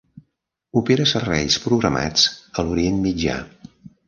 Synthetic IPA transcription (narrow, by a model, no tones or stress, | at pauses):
upeɾəsərβɛjspɾuɣɾəma̰t͡səluɾienmid͡ʒa̰